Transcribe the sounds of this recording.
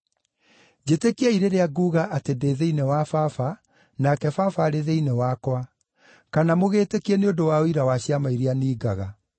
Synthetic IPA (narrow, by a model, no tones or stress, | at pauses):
d͡ʑetekiaiɾeɾeaɡuːɣaʔatedeðeinewafafa | nakɛfafaɾeðeinewakwa | kanamoɣeːtekiɛneodowaoiɾawaɕjamaiɾianiːɡa̰ɣa